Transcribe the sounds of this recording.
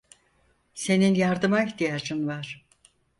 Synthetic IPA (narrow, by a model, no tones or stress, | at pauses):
se̞ninjaɾd̪ɯmaiçt̪ʰijad͡ʒɯnvaɾ̥